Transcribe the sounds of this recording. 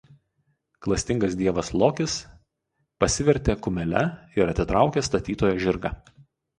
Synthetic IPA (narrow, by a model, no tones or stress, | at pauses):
klˠɐsʲt̪ʲɪŋɡɐs̬d̪ʲiɛʋɐslˠoːkʲɪs | pɐsʲɪʋʲɛɾʲt̪ʲeːkʊmʲɛlʲɛ̰ɪɾɐt̪ʲɪt̪ɾɑˑʊkʲeːst̪ɐt̪ʲiːt̪oːjoːʒʲɪɾɡɐ̰